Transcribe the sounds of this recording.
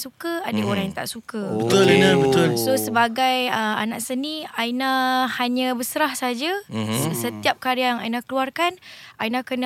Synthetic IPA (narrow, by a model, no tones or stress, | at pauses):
sukəadəoɾaŋjaŋt̪a̰ʔsukəbət̪ʊlinəbət̪ʊlsosəbaɡajəa̰nãʔsənĩainahaɲə̃bəsəɾahsaɦad͡ʒasət̪iap̚kaɾəaŋajnahkəluarkanainakənə